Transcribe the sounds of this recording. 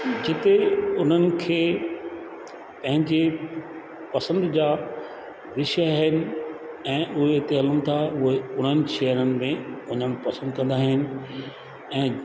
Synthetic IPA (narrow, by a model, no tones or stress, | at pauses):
d͡ʑɪt̪eʊn̤ənɪ̆kʰeː | pɐ̃ɦɪ̃ɲd͡ʑe | pɐsə̃nd̪d͡ʑaː | ʋɪʃaɦɪnɪ̆ | ɛ̃ːʔʊɦeɪt̪eɐlənɪ̆t̪ʰaʊɦeʊn̤ənɪ̆ʃɛːɦəɾənɪ̆mẽʊn̤ənɪ̆pɐsə̃nd̪̚kɐ̃nd̪aːɦɪnɪ̆ | ɛ̃ː